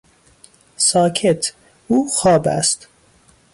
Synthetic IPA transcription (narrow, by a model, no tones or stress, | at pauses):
sɒːcʰet̪ʰ | uːxɒːbæ̰st̪